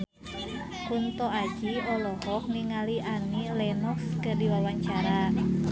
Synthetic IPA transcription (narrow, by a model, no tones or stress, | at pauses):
hunt̪ɔḁd͡ʒiɔlɔhɔhniŋaliʔanilɛnɔkskədiwawaɲt͡ʃaɾa